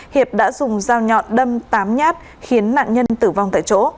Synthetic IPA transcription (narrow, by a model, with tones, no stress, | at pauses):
hi˨˩əp̚ɗa̰ː˧˥zʊ˨˩ŋ͡mzaː˧wɲɔ̰˧˨ɗə˧mt̪aː˨˦mɲaː˦˥t̚ | xi˨˦ənːa̰ː˧˨nɲə˧nt̪ɨ˧˩va˧wŋ͡mt̪ʰa̰ː˧˨jt͡ɕo̰˧˥